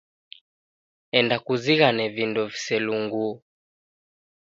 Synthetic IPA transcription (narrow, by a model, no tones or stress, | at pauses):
ɛndakuziɣanɛvindɔvi̥sɛluŋɡu